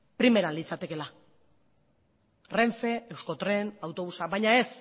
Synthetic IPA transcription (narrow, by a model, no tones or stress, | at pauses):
pɾime̞ɾalit͡sat̪e̞ke̞la | re̞ɱfe̞ewsko̞t̪ɾe̞nawt̪o̞βusaβajɲae̞s